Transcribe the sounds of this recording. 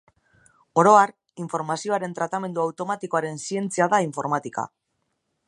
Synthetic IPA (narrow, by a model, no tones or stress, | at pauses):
o̞ɾo̞ar | iɱfo̞ɾmasio̞aɾe̞nt̪ɾat̪ame̞nd̪uawt̪o̞mat̪iko̞aɾe̞nsie̞nt͡siaðaiɱfo̞ɾmat̪ika̰